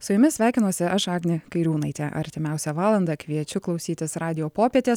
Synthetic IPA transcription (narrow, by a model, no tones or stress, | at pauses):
sʊjʊmʲɪsʲʋʲæˑɪkʲɪnuɔsʲɪɐʃɑːɡnʲɪkɐɪɾʲuːnɐɪt̪ʲɛʔɐ̰ɾʲt̪ʲɪmʲɛˑʊsʲɛʋɑːlˠɐnd̪ɐkʋʲiɛt͡ʃʲʊklˠɒʊsʲiːt̪ʲɪsɾɑːd̪ʲɪjoːpoːpʲiɛt̪ʲeːs